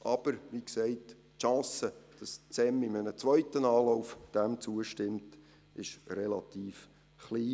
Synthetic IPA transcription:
ʔɑb̥əɾʋiksɛɪt | ʃɑ̃ːsəd̥ɑst͡sɛmɪmənət͡sʋœʏtənɑːlɔʊfd̥ɛmt͡suəʃtɪmt | ɪʃrɛlɑt̪iːf | χliː

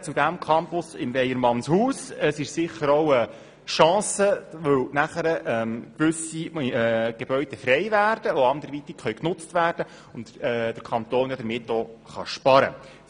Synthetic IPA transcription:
t͡sud̪æmkʰɑmpʊsɪmvɛjəɾmɑnshuːsəsɪʃsɪχːəɾɔwə | ʃɑ̃ːsəʋɵwnæχəɾəʔɛmkʋɵsi | ɡ̥eb̥œʏd̥ɛfɾɛɪvæːrd̥əʋoɑnd̪əɾʋit̪ɪkχœʏknʊt͡stvæːrd̥ə | ʊntɛd̥əɾkʰɑnt̪oːnjad̥̪əɾmɪtːoːχɑ̰ʃpɑɾə̰

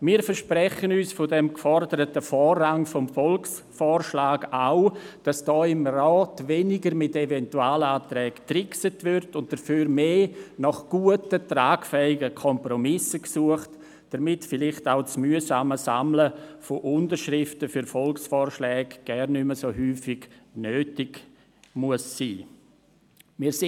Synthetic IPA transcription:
miːɾfəɾʃpɾɛχənyːsfɔdɛmkfɔɾdəɾətəfɔːrːaŋfɔmfɔlks | fɔːɾʃlaːɡaʊd̥ɑsd̥ɔːɪmrɑːtvɛnɪɡəɾmɪtevɛntuaːləaːtɾɛːktrɪksətvʏɾtʊnt̚d̥əɾfyːɾmeːnɑχɡ̥uətətraːɡfɛɪɡəkʰɔmpɾɔmɪsəksuəχt | d̥əɾmɪtfɪlɪχtaʊt͡smyəsaːməsa̰mləfoʔʊndəɾʃɾɪftəfʏɾfɔlksfɔːrʃlɛːɡɡ̥ɛrnːʏməsoɦyːfɪɡ̥nøːtɪɡ̥ | muəsːḭː | mɪːs

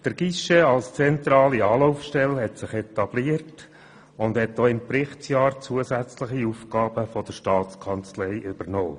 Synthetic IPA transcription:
d̪̥əɾɡ̥iʃeɑlst͡sɛnt̪ɾɑːliɑːlɔʊfʃtɛlɦɛtsɪχɛtɑb̥liərt | ʊndhɛt̚dɔːɪmpɾɪχtsjɑːɾt͡suəsæt͡slɪχiuːfɡ̥ɑːb̥əfɔd̥əɾʃtɑːtt͡skʰɑnt͡slɛɪʔʏb̥əɾnoː

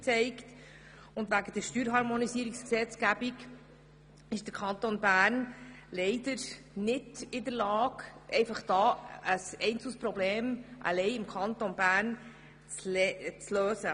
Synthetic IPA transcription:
t͡sɛɪkt | ʊnd̪væɡəd̥̪əɾʃtyːɾɦɑɾmonisiəɾiksksɛt͡skæbik | ɪʃd̥əɾkʰɑnt̪onbæːrnlɛɪdəɾ | nɪdɪdəɾlɑːɡʔɛɪfɑχd̥ɑːəsɛɪnt͡sɪspɾɔbleːmʔɑ̰lɛɪɪmkʰɑnt̪onbæːɾn | t͡st͡sløːsə

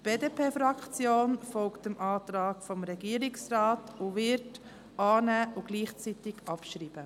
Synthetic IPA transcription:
tb̥eːdeːpʰeːfɾɑkʰt͡sjoːnfɔlktəmʔɑːt̪ɾɑːkfɔmɾɛɡiːɾɪksɾɑːtʊʋɪɾt | ɑːnæʊɡ̥liːχt͡sitɪɡ̥ɑpʃɾiːb̥ə

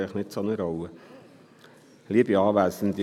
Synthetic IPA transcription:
lχnɪtsonəɾowə | liəbiɑːʋæːsən̩d̥̪i

